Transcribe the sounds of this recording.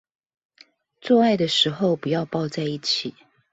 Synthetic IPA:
t͡swɔ˥˧a˥˩ɪd̪ə˩ʂɻ̩˧˥xo˥˨ʊpu˨˦jɑ˥˧ʊpɑ˥˧ʊt͡sa˥˧ɪi˥˩t͡ɕʰi˨˩˦

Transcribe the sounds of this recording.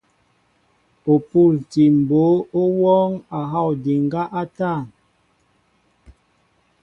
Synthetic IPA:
o˨pu˦˨lti˨m̩˨bo˨˦o˦wɔ˦ŋa˨ɦa˦˨wdi˨ŋɡa˦ʔa˦ta˦˨n

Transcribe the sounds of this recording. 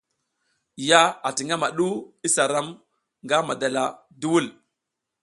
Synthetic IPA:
ja˦a˨ti˨ŋa˦ma˨ɗu˦i˦sa˨ɾa˦m | ŋɡa˦ma˨da˨la˨ | du˦wu˦l

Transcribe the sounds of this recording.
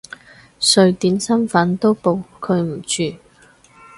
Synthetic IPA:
sɵ˨˧ɥt̪iː˨˥nsɐ˥nfɐ˨˥nt̪o˥wpo˨˧wkʰɵ˨˧ɥm̩˨˩t͡ʃyː˧

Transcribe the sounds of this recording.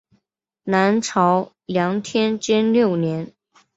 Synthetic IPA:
na˧˥nʈ͡ʂʰɑ˧˥ʊ | ljɑ˧˥ŋt̪ʰjɛ˥nt͡ɕɛ˥nljo˥˩ʊnjɛ˧˥n

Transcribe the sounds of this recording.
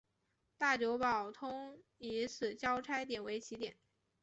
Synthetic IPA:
t̪a˥˩t͡ɕjo˧˥ʊpɑ˨˩ʊt̪ʰʊ˥ŋi˧˥sʰɹ̩˨˩t͡ɕjɑ˥ʊʈ͡ʂʰa˥ɪt̪̬jɛ˨˩nwe˧˥ɪt͡ɕʰi˧˥t̪jɛ̰˨˩˦n

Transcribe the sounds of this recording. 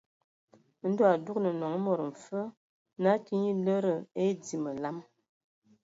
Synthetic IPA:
n̩˦dɔ˦a˨du˦knə˨nɔ˨ŋə˦mɔ˨ɾə˨ɱ̩˨fə˦ | na˦ti˦ɲi˦lə˦ɾə˨e˦di˨mə˨la˦m

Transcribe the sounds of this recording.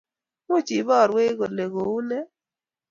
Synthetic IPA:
mʊ˦˨t͡ʃi˨˦bɔ˦˨ɾwe˦ɣo˨le˨ɣo˨u˦nɛ˦

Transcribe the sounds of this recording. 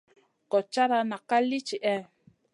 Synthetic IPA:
kɔ˨t͡ʃa˦ɾa˧na˨ka˦li˦t͡ʃi˨ʔɛ˦

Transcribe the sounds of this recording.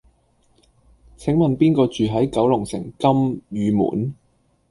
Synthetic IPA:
t͡sʰɪ˨˥ŋmɐ˨npiː˥nkɔː˧t͡ʃyː˨ɦɐ˨˥jkɐ˨˥wlʊ˨˩ŋsɪ̰˨˩ŋkɐ˥mjyː˨˧mṵː˨˩n

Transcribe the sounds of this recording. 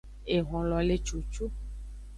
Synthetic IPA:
e˨ɣɔ̃˨lɔ˨le˨t͡ʃu˨t͡ʃu˦

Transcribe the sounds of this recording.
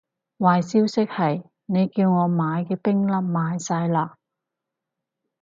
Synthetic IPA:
waː˨jsiː˥wsɪ˥k̚hɐ˨j | ne˨˧jkiː˧wŋɔː˨˧maː˨˧jkɛː˧pɪ˥ŋlɐ˥p̚maː˨˧jsaː˧jlaː˧

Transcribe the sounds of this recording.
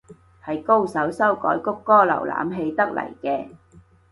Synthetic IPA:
hɐ˨jko˥wsɐ˨˥wsɐ˥wkɔ̰ː˨˥jkʊ˥kːɔː˥lɐ̰˨˩wla̰ː˨˥mɦe˧jt̪ɐ˥k̚lɐ̰˨˩jkɛː˧

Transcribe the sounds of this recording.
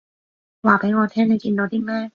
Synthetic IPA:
waː˨˩pe˨˥ŋɔː˨˧t̪ʰɛː˥ŋne˨˧jkiː˧nt̪o˨˧wt̪iː˥mɛː˥

